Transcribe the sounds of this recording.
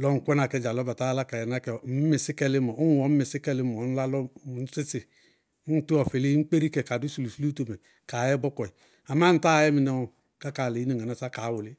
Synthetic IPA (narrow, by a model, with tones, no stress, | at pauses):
lɔ˦ŋ̩˨kʷɔ˦na˨kɛ˨˦˨d͡ʒa˨lɔ˦ba˨ta˦la˦ka˨jɛ˨na˦kɛ˨m̩˦mi˨sɪ˦kɛ˦li˦mɔ˨˦˨wɔ˨˦m̩˦mi˨si˦kɛ˦li˦mɔ˨˦n̩˦la˦lɔ˦˨˦si˦si˨˦ | tu˦ɔ˨fe˨li˦ŋ͡m̩˦k͡pe˦ɾi˦kɛ˨ka˨du˦su˨lu˨su˦u˦to˨mɛ˨ | ka˨jɛ˦bɔ˦kɔ˨i˨ | a˨ma˦n̩˨˦ta˦˨jɛ˦mi˨nɛ˦˨ | ka˦ka˨le˨i˦ne˨ŋa˨a˨sa˦ka˨˦wu˨li˦